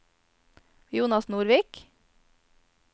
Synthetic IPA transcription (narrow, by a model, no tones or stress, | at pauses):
juːnɑsnuːɾʋik